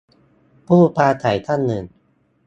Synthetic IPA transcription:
pʰuː˥˩pʰaː˧t̪ʰa˩˦jt̪ʰa˥˨nːɯ˨˩n

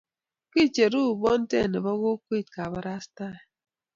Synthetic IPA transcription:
ki˦t͡ʃe˨ɾu˦˨bɔ˦n̩˦tḛ˦˨ne˨bɔ˦ɣo˦kwe˦˨t̚ka˨ba˦ɾa˦sta˦˨

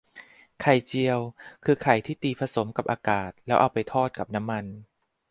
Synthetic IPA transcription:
kʰa˨˩jt͡ɕi˧əwkʰɯː˧kʰa˨˩jt̪ʰiː˥˩t̪iː˧pʰa˧so˩˦mka˨˩p̚ʔaː˧kaː˨˩t̪̚lɛː˦˥wʔa˧wpa˧jt̪ʰɔː˥˩t̪̚ka˨˩p̚na˦˥mːa˧n

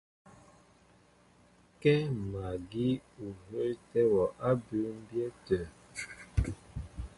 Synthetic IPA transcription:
kɛ˦ma˨ɡi˦u˨ɦə˦tɛ˦wɔ˨ʔa˦bʉ˨˦m̩˦bjɛ˦tə˨

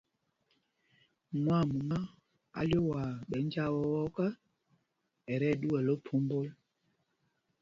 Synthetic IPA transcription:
mwa˦˨mu˨ma˦ | a̰˨ljo˦wa˨ɓɛ˨˦n˦d͡ʒa˦wɔ˦wɔ˦kə˦ | ɛ˨ɾɛ˦˨ɗu˦wɛ˨lo˦pʰu˨˦mbo˦l

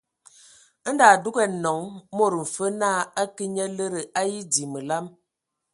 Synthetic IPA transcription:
n̩˦da˨du˦ɡɛ˨nɔ˨˦ŋ˦mo˦˨ɾə˨m̩˨fə˦naː˦˨a˦ki˦ɲə˦lə˦ɾə˨ʔa˦ji˦di˨mə˨la˦m

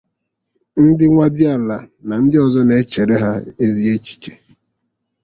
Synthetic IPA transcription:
n̩˦dɪ˦ŋʷa˦dɪ˦a˨la˨na˨n̩˦dɪ˦ɔ˨zɔ˦ne˨˦t͡ʃe˨ɾe˦ɦa˦e˦zi˦e˦t͡ʃi̥˨t͡ʃe̥˨

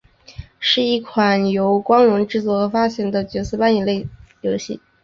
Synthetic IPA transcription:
ʂɻ̩˥˧i˥˩kʰwa˨˩njo˧˥ʊkwɑ˥ŋlə˧˥ŋʈ͡ʂɻ̩˥˧t͡swɔ˥˩xɤ˧˥fa˥ɕjɛ˧˥˩nd̪ə˧t͡ɕɥɛ˧˥t͡sɹ̩˥˧pa˥ni˨˩nle˥˩ɪljo˧˥ʊɕḭ˥˩

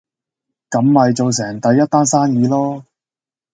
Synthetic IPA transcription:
kɐ˨˥mːɐ˨jt͡so˨˧ws̬ɛː˨˩ŋt̪ɐ˨˥jːɐ˥t̚t̪aː˥nsaː˥njiː˨˧lɔː˥

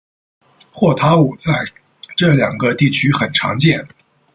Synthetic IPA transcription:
xwɔ˥˩t̪ʰa˥u˨˩t͡sa˥˧ɪ | ʈ͡ʂɤ˥˩ljɑ˨˩ŋɡə˦t̪i˥˩t͡ɕʰy˥xə˨˩nʈ͡ʂʰɑ̰˧˥ŋt͡ɕjɛ˥˩n

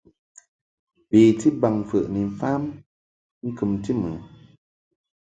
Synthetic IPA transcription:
pi˨ti˦ba˨ŋfə̰˨ʔni˨n˨faː˦m | ŋ̩˦kɨ˨mti˦mɨ˨˦

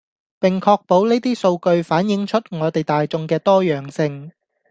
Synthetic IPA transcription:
pɪ˨ŋkʰɔː˧k̚po˨˥wneː˥t̪iː˥so˧wkɵ˧ɥfaː˨˥njɪ˨˧˥ŋt͡ʃʰɵ˥t̚ŋɔː˨˧t̪e˨jt̪aː˨jt͡sʊ˧ŋkɛː˧t̪ɔː˥jœː˨˩ŋsɪ˧ŋ

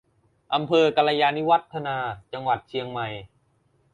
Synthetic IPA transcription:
ʔa˧mpʰɤː˧ka˧la˧jaː˧ni˦˥wa˦˥t̪ʰːa˧naː˧t͡ɕa˧ŋwa˨˩t̪̚t͡ɕʰi˧əŋma˨˩j

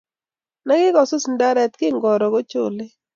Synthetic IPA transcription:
na˦ɡɪ˦kɔ˨so˦si˨nda˦ɾɛ˨t̪̚kɪ˦ŋɡɔ˨ɾɔ˨ɡo˦t͡ʃo˨le˦

